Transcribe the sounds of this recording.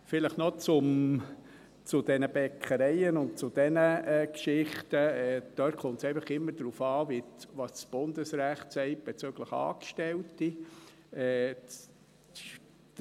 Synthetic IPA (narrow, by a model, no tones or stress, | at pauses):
fɪləχnɔt͡sʊm | t͡sʊd̥ɛnəb̥ɛkʰχəɾɛɪənʊnt̚t͡sʊd̥̪ɛnəɛːkʃɪχtəɛːd̪̥øːtχʊntsɛɪfəχɪmːəd̥ɾuːfɑːʋiʋɑssb̥ʊnd̪əsɾæχtsɛɪb̥ɛt͡søːɡ̥ləχɑ̰ːkʃtɛlti | ɛː